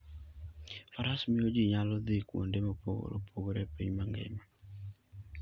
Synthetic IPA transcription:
faɾasmɪjod͡ʒiɲalɔd̪ɪkwo̰ndemopoɡo̰ɾo̰pʰoɡoɾepiɲmaŋɡɛ̰ma

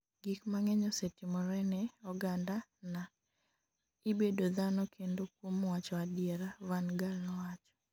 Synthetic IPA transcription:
ɡikmaŋɛɲɔsetimɔɾɛnɛɔɡandana | ibedoðanɔkʰendok̚womwat͡ʃɔadɪɛɾawanɡalnɔwat͡ʃɔ̥

